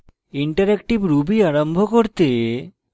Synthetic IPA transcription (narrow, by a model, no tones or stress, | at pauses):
iɳʈaɾekʈibɾubiaɾombʱokoɾt̪e